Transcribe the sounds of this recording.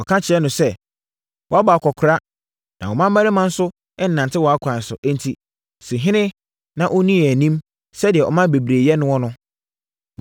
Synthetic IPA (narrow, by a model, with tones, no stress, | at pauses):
ɔ˨kʰã˦t͡ɕʰɪ˨ɛ˦nʊ̃˨sɛ˦ | wɔ˨a˦ba˨a˨kʰɔ˨kʰʊ˨ɾa˦ | nã˨wɔ˨mã˦m̩˦mæ˦ɾɪ˦mã˦n̩˦sʊ˦ | ɛ˦n̩˨nã˨ntʰɪ˦wɔ˨a˦kʰʷã˨sʊ̰˨ʔæ˦n̩˦tʰi˦ | sĩ˨ɦɪ̃˦nɪ̃˦ | nã˨ʔɔ˦nĩ˦ɛ˨æ˨nĩ˦m | sɛ˦dɪ˨ɛ˨ʔɔ̰˨mã˦be˨bɾe˨jɛ˦nʊ̃˦wɔ˦nʊ̃˦